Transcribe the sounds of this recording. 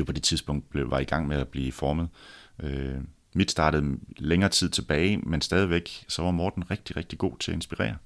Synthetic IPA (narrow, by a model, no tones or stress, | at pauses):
jopʰɒ̽d̥e̝t͡sʰiðˠsb̥ɔ̽ŋ̰d̥̚b̥le̝ʋɑ̈iɡ̥ɑ̈ŋ̰meæb̥liːfɒːməðˠʔø | mid̥sd̥ɑ̈ːɾ̥əð̞̩ˠleŋɐːt͡sʰið̰ˠt͡sʰe̝b̥ɛːɪmensd̥ɛːð̞ˠiʋeɡ̥sɒ̽ʋɑ̈mɒːd̥n̩ʁeɡ̥̚d̥iʁeɡ̥̚d̥iɡ̥o̝̰ːt͡sʰe̝æe̝nsb̥iʁɛ̰ːɐ